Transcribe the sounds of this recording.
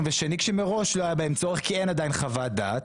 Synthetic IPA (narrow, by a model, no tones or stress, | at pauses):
nveʃenikʃemeʁo̞ʃʃloajabaemt͡soʁeχkie̞jnad̪ajinχavad̪aːt